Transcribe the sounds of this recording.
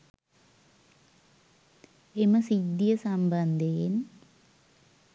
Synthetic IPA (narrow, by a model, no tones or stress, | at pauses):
emɐsid̪jɐsɐmbɐnd̪ʱejen